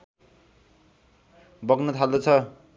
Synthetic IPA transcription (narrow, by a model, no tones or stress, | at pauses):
bʌɡnʌt̪ʰald̪ʌt͡sʰʌ